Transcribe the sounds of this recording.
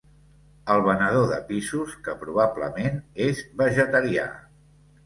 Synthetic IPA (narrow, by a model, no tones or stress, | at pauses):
əlˠβ̞ənəðoðə̰pisuskəpɾuβ̞ablə̰menezβəʒət̪əɾia̰